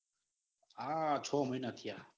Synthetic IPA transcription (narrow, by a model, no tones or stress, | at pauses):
aːt͡ʃʰoːminat̪ʰija